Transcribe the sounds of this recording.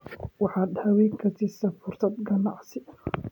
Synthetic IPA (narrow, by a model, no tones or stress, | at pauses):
wɑħɑːd̪hɐwiːkʰɐt̪ʰɪsɐfʊrt̪ɐd̪ɡɐnɑ̰ʕsɪ